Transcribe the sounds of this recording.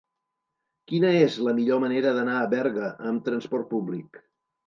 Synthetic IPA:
kinəezləmiʎoməneɾəðənaəβɛɾɣəʔəmt̪ɾənspɔrt̪̚publik

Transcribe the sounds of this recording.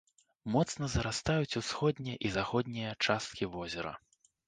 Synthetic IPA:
mɔt̪snɐzɐɾast̪ajut͡sʲusxɔd̪ʲnʲijɛʔizaxɔd̪ʲnʲijɐt͡ʂast̪̚kʲivɔzʲɛɾɐ̰

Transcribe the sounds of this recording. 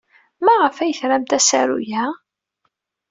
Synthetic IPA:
mæʁəfæjəθɾæmt̪æsæ̰ɾṵjæ

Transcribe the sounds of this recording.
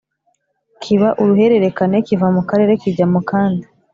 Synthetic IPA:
kʰiβaʔuɾuɦe̞ɾe̞ɾe̞kanekivamukaɾe̞ːɾekiɟamukaːnda

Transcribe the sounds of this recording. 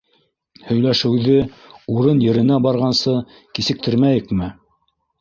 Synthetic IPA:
hɵ̆jlæʃɘ̆wðɘ | uɾɤnjɘ̆ɾɘ̆næbɑɾʁɑnsɤ | kisɘ̆k̚t̪ʰɘ̆ɾmæjɘkmɘ

